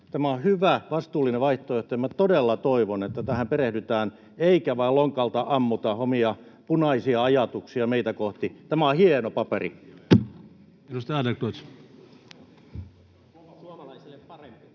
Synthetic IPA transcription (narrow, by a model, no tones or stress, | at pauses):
t̪æmæohyʋæʋɑst̪uːlːineʋʋɑiht̪oyht̪ɑjɑmæt̪odelːɑt̪oiʋonet̪ːæt̪æhæmperehdyt̪æːn | eikæʋɑiloŋkɑlt̪ɑʔɑmːut̪ɑhomiɑ | punɑisiɑɑjɑt̪uksiɑmeit̪ækoht̪it̪æmæohienopɑperḭ | edust̪ɑɑːdekto | suɑɑlɑiselːeppɑrempi